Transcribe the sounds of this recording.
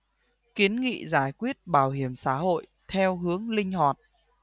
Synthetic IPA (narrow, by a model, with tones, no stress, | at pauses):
ki˨˦ənŋḭ˧˨zaː˧˩jkwi˦˥ət̚ɓaː˧˩wɦi˧˩əmsa̰ː˧˥ho̰˧˨j | t̪ʰɛ˧wɦɨ˨˦əŋlï˧ŋ̟ha˨˩t̚